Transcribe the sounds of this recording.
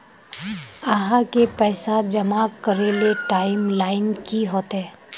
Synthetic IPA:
əɦãkepɛːsad͡ʒɐmakəɾeleʈaːɪmlaːɪnkiɦoːt̪ɦɛː

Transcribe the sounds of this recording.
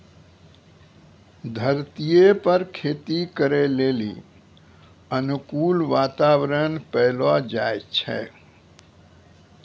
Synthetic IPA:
d̪ʱəɾt̪ijepəɾkʰet̪ikəɾelelḭ | ənukulʋat̪awɾənpəlɔd͡ʒajt͡ʃʰɛ̰

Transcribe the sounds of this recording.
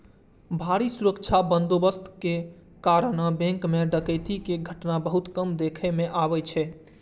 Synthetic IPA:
bʱaɾisuɾəkt͡ʃʰabənd̪obəst̪ʰke | kaɾənəbẽŋkmeɖəkəjt̪ikeɡʱəʈnabəɦut̪kəmd̪ekʰɛmeʔaβɛt͡ʃʰɛ

